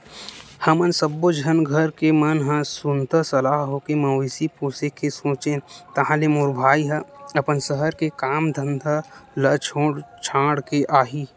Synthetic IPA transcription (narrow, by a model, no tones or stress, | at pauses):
hɐmənsəbːod͡ʒʱənɡʱəɾkemənɦə̃sʊnt̪əsəlaːɦɦokemɐʋisipuːsekʰːesõːt͡ʃẽt̪ɐɦãlemoɾbʱaːiɦə̃ɐpənsəɦəɾkekaːmd̪ʱə̃nd̪ʱalət͡ʃʰõːɽt͡ʃʰãːɽkeʔaːɦiː